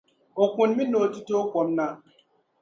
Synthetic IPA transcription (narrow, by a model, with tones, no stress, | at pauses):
o˨kũ˨nmi˦no˨ti˦toː˦kɔ˨˦mna˨